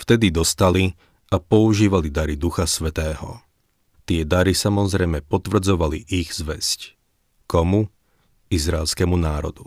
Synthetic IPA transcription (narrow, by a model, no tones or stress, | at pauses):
ft̪ɛd̪id̪ɔst̪ali | apɔuʒiːʋalid̪aɾid̪uxasʋɛt̪ɛːɦɔ̰ | t̪ɪɛd̪aɾisamɔzɾɛjmɛpɔt̪ʋr̩d͡zɔʋaliʔiɣzʋɛsc | kɔmu | izɾaɛlskɛmunaːɾɔ̰d̪u